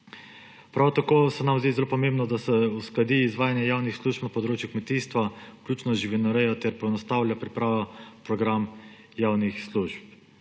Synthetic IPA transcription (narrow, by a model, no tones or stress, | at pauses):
pɾawt̪akoːsɛnamzd̪iːzɛlopɔmeːmbnɔd̪asɛusklad̪iːzʋaːjanjɛjaːwnixsluːʃpnapɔd̪ɾoːt͡ʃjukmɛt̪iːst̪ʋaklʲuːt͡ʃnɔʒiʋinaɾɛjɔt̪ɛɾpɔɛnɔst̪awlʲjapɾipɾaːʋɔpɾɔɡɾam | jaːwnixsluʒp̚